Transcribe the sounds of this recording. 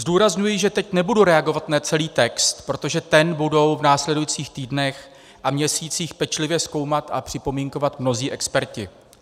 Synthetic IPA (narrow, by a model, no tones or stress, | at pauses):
zduːɾazɲujɪʒɛt̪ɛcnɛbuduɾɛaɡo̞vat̪nat͡sɛliːt̪ɛkst̪pɾo̞t̪o̞ʒɛt̪ɛnbudo̞wvnaːslɛdujit͡siːxt̪iːdnɛx | ʔamɲɛsiːt͡siːxpɛt͡ʃlɪvjɛsko̞wmat̪ʔa̰pr̥ɪpo̞miŋko̞vat̪mno̞ziːʔɛkspɛɾcɪ